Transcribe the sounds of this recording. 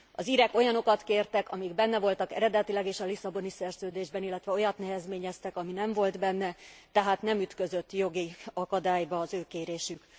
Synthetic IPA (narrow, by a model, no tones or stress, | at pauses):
ɒziɾɛko̞jɒno̞kɒt̪keːrt̪ɛkɒmiɡbɛnːɛvo̞lt̪ɒkɛ̰ɾɛd̪ɛt̪ilɛɡeːʃɒlisɒbo̞nisɛrzøːd̪eːʒbɛnilːɛt̪ʋɛo̞jɒt̪nɛɦɛzmeːɲɛst̪ɛkɒminɛɱvo̞ld̪bɛnːɛt̪ɛɦaːt̪nɛmyt̪kø̞zø̞t̪ːjo̞ɡiɒkɒd̪aːjbɒːzøːkeːɾeːʃyk